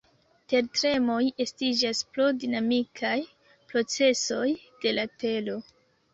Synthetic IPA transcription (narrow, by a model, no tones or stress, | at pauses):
te̞ɾtɾe̞mo̞je̞stid͡ʒasplodinamikʰaj | pɾo̞t͡se̞so̞jd̥e̞late̞lo̞